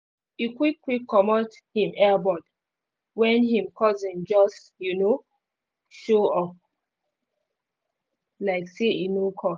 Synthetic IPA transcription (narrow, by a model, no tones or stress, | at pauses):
ikwikːwikʰːɔmɔt | hĩmɛbɔd | wɛ̃nhĩmkʰɔzĩnd͡ʒɔst | juno | ʃoɔp | laɪkseinokʰɔs